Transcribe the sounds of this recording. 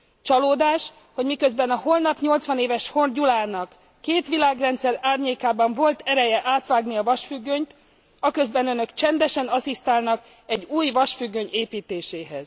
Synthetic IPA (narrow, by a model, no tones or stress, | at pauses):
t͡ʃɒloːd̪aːʃ | ho̞ɟmikø̞zbɛnɒho̞lnɒpɲo̞lt̪sʋɒneːvɛʃho̞rɟulaːnɒkː | eːt̪ʋilaːɡrɛnt̪sɛɾaːrɲeːkaːbɒɱvo̞lt̪ɛɾɛjɛʔaːt̪ʋaːɡniɒvɒʃfyɡːøɲt̪ | ɒkø̞zbɛnø̞nø̞kt͡ʃɛnd̪ɛʃɛnɒsist̪aːlnɒk | ɛɟːuːjʋɒʃfyɡːø̞ɲeːpiːt̪eːʃeːɦɛz̥